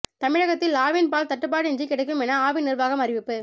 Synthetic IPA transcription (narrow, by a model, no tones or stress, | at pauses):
t̪ɐmɪɻɐɣɐt̪ːɪlaːʋɪnpaːlt̪ɐʈːɯp̬ːaːɽɛnd͡ʒikːɪɽɐɪk̬ːɯmɛnɐaːʋɪnɪrʋaːɣɐmɐrɪʋɪpːɯ